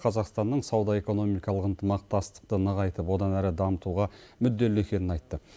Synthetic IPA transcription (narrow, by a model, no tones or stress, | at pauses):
qʰɑzɑqst̪ɑnːəɴsɑwd̪ɑe̞ko̞no̞mijkɑlˠəqənt̪ʰəmɑq̚t̪ɑst̪ə̥q̚t̪ənəʁɑjt̪əpwo̞d̪ɑnæɾɪd̪ɑmət̪uʁɑmʏd̪ːe̞le̞kʲe̞nɪnɑjt̪ːə